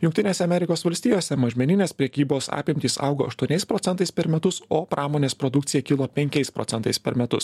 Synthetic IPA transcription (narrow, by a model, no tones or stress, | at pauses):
jʊŋkt̪ʲɪnʲeːsʲɛɐmʲɛɾʲɪkoːsʋɐlʲsʲt̪ʲiːjoːsʲɛmɐʒʲmʲɛnʲɪnʲeːspʲɾʲɛkʲiːboːsɑ̰ːpʲɪmʲt̪ʲiːsɑ̰ʊɡo̰ɐʃt̪uɔnʲɛɪspɾoːt̪sʲɛnt̪ɐɪspʲɛɾmʲɛt̪ʊsoːpɾʔɑːmoːnʲeːspɾɔd̪ʊk̚t̪sʲɪjɛkʲɪlˠoːpʲɛŋʲkʲɛɪspɾɔ̰t̪ʲɛnt̪ɐɪspʲɛɾmʲɛt̪ʊs